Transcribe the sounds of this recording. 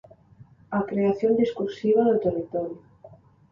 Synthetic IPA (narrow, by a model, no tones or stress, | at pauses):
akɾeaθjond̪iskuɾsiβ̞aðot̪erit̪ɔɾju